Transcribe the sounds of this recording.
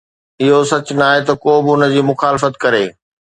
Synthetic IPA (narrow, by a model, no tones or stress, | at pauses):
ɪɦosɐt͡ɕʊnaːɦet̪ɐkoːbɪʊnə̆d͡ʑiːmʊxaːlɪfət̪kɐɾeː